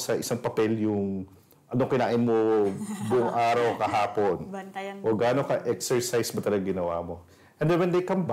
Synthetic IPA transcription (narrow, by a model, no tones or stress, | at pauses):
sɐʔɪsaŋpɐpɛljʊŋ | ʔɐnokɪnaːʔɪnmobʊʔʊŋʔaːɾɐwkɐɦaːpo̞nʔoɡaːnokɐʔɛksɛɹsajsbɐt̪ɐlɐɡɐɡɪnɐwa̰ːmo̞ | ʔɛnd̪ɛnwɛnd̪ɐjkɐmb